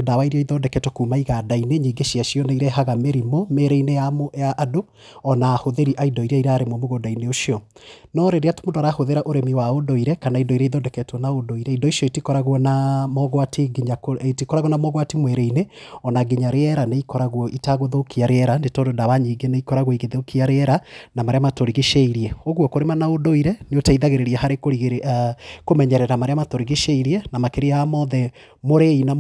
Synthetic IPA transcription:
odawaiɾiaiðɔdɛkɛtwɔkuːmaiɣadaineɲiːɡeʃiaʃiɔneiɾɛɦaɣameɾimomeɾeineamojaʔːdo | ɔnaːhoðeɾiʔaidɔiɾɛiɾaɾemɔmoɣodaineoʃiɔ | nɔɾeɾeato̥mondɔɾahoðeɾaʔoɾemiwaodoiɾɛkanaidoiɾɛiðɔdɛkɛtwɔnaodoiɾɛindoiʃɔitikɔɾaɣwɔnamɔɣwatʰiɡiɲakoetikɔɾaɣwɔnamɔɣwatimwɛɾeineɔnaɡiɲaɾeɛɾaneikɔɾaɣwɔʔitaɣoðokiaɾeɛɾandetɔdodaβaɲiɡeneikɔɾaɣwoiɣeðeokiaɾeɛɾanamaɾeamatoɾiɣeʃeiɾiɛoɣwɔkoɾemanaodoiɾɛneotaiðaɣeɾeɾiɛhaɾekoiɣ | komɛɲɛɾɛɾamaɾeamatoɾiɣeʃeiɾiɛnamakeɾiaamɔðɛ | moɾeina

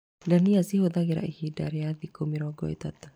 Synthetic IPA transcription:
daniasiɦud̪aɡiɾa̰ʔihida̰ɾjad̪ikomiɾɔɡɔ̰ḭt̪at̪

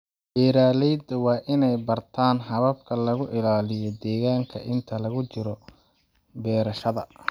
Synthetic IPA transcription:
b̥ɛːɾaːlɛjd̪ɐwɑːʔɪnɛjbɐrt̪ʰaːnɦɐβɐb̚kʰɐlɐɣʊʔɪlaːlɪjɔd̪ɛːɣaːŋkʰɐ̰ʔɪnt̪ʰɐlɐɣʊt͡ʃɪɾɔ | bɛːɾɐʃɐðɐ

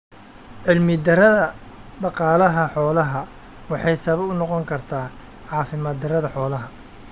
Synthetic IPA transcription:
ʕɪlmɪd̪ɐɾɐðɐ | ɖ̪ɑqɑːlɐɦɐħɔːlɐɦɐ | wɑħɑjsɐβɔʊnɔqɔŋkʰɐrt̪ʰaː | ʕɑːfɪmaːd̪ɐɾɐðɐħɔːlɐɦɐ

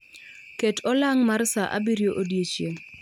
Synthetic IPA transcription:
ketʰɔlaŋmarsaʔa̰biɾjoʔodjet͡ʃje

